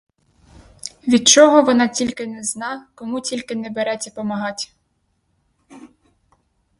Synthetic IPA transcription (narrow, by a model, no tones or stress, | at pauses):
ʋʲid̪̚t͡ʃɔɦɔʋɔnɑtʲilʲkɪnɛznɑkɔmutʲilʲkɪnɛbeɾɛt͡sʲːɐpɔmɐɦɑtʲ